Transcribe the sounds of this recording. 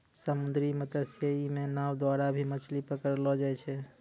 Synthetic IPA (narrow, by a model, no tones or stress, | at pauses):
səmund̪ɾimət̪əsjəimenawd̪waɾabʱimət͡ʃʰlipəkəɾlɔd͡ʒajt͡ʃʰɛ